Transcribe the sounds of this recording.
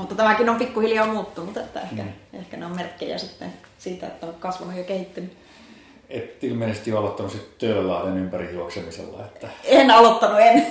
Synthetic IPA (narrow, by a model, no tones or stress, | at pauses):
mut̪ːɑt̪æmækinompikːuhiljɑːmuːt̪ːunut̪et̪ːæ̰ehkæḛhkæneommerkːḛjæ̰sit̪ːḛn | siːt̪æḛt̪ːæokkɑsʋɑnujjɑkehit̪ːyny | et̪ilmeˑsest̪ijoɑlot̪ːɑnusit̪t̪øˑlælːæɑjenympærihjuoksemisḛlːɑ̰et̪ːæenɑlot̪ːɑnuen